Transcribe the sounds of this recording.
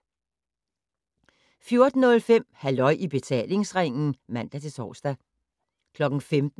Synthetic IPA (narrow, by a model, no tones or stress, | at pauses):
fjo̝ɐd̥n̩ɔ̽lfem̰hælɒ̽ɪ̰ʔib̥e̝t͡sʰɛ̰ːle̝ŋsʁaŋ̰n̩mæn̰d̥æt͡sʰe̝sɒ̰ːsd̥æ | kʰlɒ̽ɡ̥n̩femd̥̩